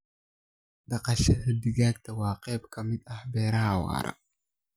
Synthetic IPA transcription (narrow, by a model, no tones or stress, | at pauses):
d̪̥ɐqɑʃɐhɐd̪ɪɣaːɡt̪ʰɐwɑːqɛːbkʰɐmɪd̪ɐhbɛːɾɐhɐwɑ̰ːɾɐ̰